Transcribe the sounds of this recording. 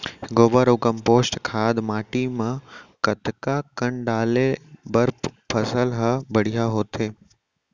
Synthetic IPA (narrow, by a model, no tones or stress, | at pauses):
hɡoːbəɾokɐ̃mpoːsʈkʰaːd̪maːʈimãkɐt̪kakɐɳɖaːlebɐɾppʰɐsəlɦɐbɐɽ̤ijaɦoːt̪ʰeː